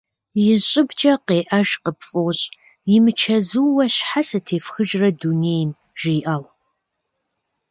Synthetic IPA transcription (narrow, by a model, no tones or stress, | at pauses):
jɪɕʼɪbt͡ʃʼɐqeːʔɐʒqəpfʼoɕʼ | jɪmɨt͡ʃʰɐzɨwːɐɕħasɨtʰeːfxɨʒrɐduneːjm | ʒ̥iːʔɐw